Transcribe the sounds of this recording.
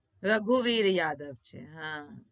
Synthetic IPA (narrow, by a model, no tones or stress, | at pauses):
ɾɐɡʱuʋiːɾjaːd̪əʋt͡ʃʰḛɦã